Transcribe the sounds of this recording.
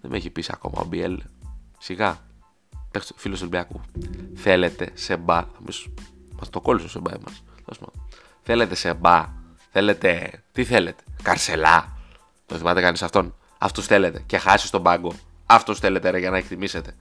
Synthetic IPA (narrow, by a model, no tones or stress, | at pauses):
ðemeçipisiɐ̰ko̞̰mɐ̰o̰biḛlsiɣɐ | pekstfiloselbiakuθe̞le̞t̪e̞se̞bɐɐmismɐst̪oko̞lisosebɐemɐ̰s | osmɐ̰ | θe̞le̞t̪e̞se̞bɐ | θe̞le̞t̪e̞t̪iθe̞le̞t̪e̥kɐɾse̞lɐ | t̪onθimɐt̪ekɐnisɐft̪o̞n | ɐ̰ft̪osθe̞le̞t̪e̞ce̞xɐsi̥st̪o̞bɐɡo̞ | ɐft̪osθele̞t̪eɾeʝɐnɐekt̪imise̞t̪e̞